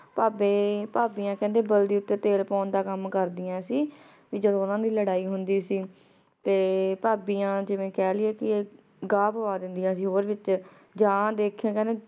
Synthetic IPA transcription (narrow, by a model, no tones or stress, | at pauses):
paːbeːpaːbiːãːkɛ̃ːnd̪eːbəld̪iːʊt̪ːeːt̪eːlpɔːnd̪aːkəmkəɾd̪ɪjãːsiː | ʋiːd͡ʒəd̪õːʊnãːd̪iːləɽaːiːɦʊnd̪iːsiː | t̪eːpaːbiːãːd͡ʒɪʋẽːkɛːlɪɛːkɪeː | ɡaːpəʋaːd̪ɪnd̪ɪjãːsiːɦoːɾʋɪt͡ʃ | d͡ʒãːd̪eːkʰːãːkɛ̃ːnd̪eː